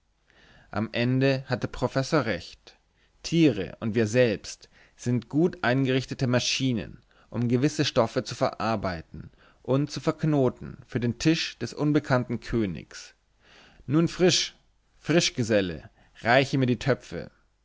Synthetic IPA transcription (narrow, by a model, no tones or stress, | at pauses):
ʔa̰mʔɛndəhatəpʁ̥ofɛsoːɐʁɛçt | tʰiːʁə̰ʔʊntv̥iːɐzɛlpst | z̥ɪntɡ̥uːtʔaɪnɡəʁɪçtətəmaʃiːnə̰n | ʔʊmɡəvɪsəʃtɔfət͡sufɛɐʔaɐbaɪtn̩ | ʔʊntt͡sufɛɐknoːtn̩fyːɐdeːntʰɪʃd̥ɛsʔʊnbəkʰantn̩kʰøːnɪ̰çs | nuːnfʁ̥ɪʃ | fʁ̥ɪʃɡ̥əzɛlə̰ | ʁaɪçəmiːɐdiːtʰœpp͡fə̰